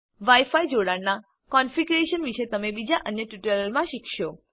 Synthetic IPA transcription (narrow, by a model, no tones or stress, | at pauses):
ʋaifaid͡ʒoɽaɽna | kɔnfiɡɾeʃənʋiʃet̪əmebid͡ʒaʔənjəʈuʈələɾmãʃikʰʃo